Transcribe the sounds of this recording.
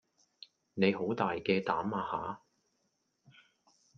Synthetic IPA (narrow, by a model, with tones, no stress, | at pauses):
ne˨˧jɦo˨˥wt̪aː˨jkɛː˧t̪aː˨˥maː˧haː˨˥